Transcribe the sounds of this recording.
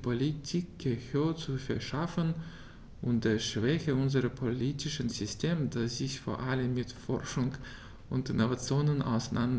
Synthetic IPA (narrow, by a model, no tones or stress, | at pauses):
pʰolitʰik̚ɡ̥əhøːɐt͡sufɛɐʃafən | ʔʊnt̚d̥eːɐʃv̥ɛçəʊnzəʁɐpʰoliːtɪʃənzʏstʰeːmdasz̥ɪçfo̰ːɐʔaləmːɪtfɔ̰ɐʃʊŋ | ʔʊntɪnovat͡sjoːnənʔa̰ʊsanʔand